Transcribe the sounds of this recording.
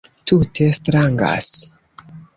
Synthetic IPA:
tutʰestɾaŋɡa̰s

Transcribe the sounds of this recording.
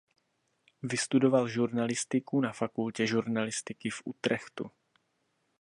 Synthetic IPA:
vɪst̪udo̞valʒuɾnalɪst̪ɪkunafakulcɛʒuɾnalɪst̪ɪkɪfʔṵt̪ɾɛxt̪ṵ

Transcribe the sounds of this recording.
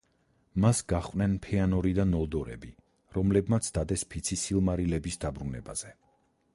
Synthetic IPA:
masɡaχqʼnɛnpʰɛanɔɾid̪anɔlˠd̪ɔɾɛ̰bi | ɾɔmlɛbmat̪sʰd̪ad̪ɛspʰit̪sʰisilˠmaɾilɛbisd̪abɾunɛ̰baz̥ɛ

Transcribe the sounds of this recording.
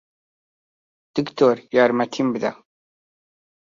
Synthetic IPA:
d̪̥əkt̪ʰoɾjaɾmæt̪ʰimbða̰

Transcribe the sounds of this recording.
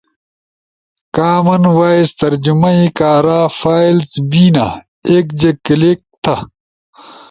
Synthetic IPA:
kaːmɐnwaːist̪ɐɾd͡ʑumɐikaːɾaːfaːilsbiːna̰ | eːkd͡ʑekileːk̚t̪ʰɐ

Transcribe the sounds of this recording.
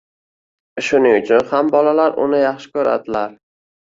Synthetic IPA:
ɪʃʊnɪʊt͡ʃʰʊnhambɒlalaɾʔʊ̰nɪjɑχʃɪ̥kʲʰɵɾa̰d̪ɪlaɾ

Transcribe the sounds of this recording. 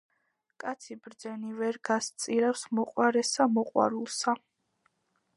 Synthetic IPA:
kʼat̪sʰibɾd̪zɛnivɛɾɡast̪sʼiɾafsmɔqʼwaɾɛsamɔqʼwa̰ɾulˠsa

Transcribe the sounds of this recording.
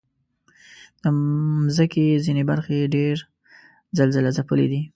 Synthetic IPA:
d̪̥əmzəkezinebaɾxeɖeɾ | zalzalazapəlḛd̪i

